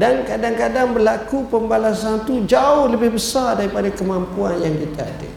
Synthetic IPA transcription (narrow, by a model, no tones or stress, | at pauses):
dankadaŋkadaŋbərlakupəmbalasant̪ud͡ʒaʊhləbɪhbəsardaɾipadakəmampuanjaŋkit̪aːda̰